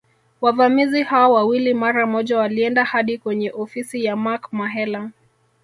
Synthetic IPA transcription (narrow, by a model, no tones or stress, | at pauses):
wavamizihaɔwawilimaɾamɔʄawaliɛndahaɗikwɛɲɛʔɔfisijamakmaɦɛla